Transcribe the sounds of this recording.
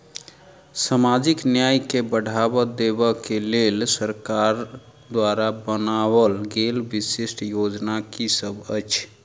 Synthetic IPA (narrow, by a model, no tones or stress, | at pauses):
samad͡ʒiknjajkebəɽʱabɔd̪ebəkelelsəɾkaɾ | d̪waɾabənawəlɡelbisesʈjod͡ʒnakisəbʱət͡ʃʰ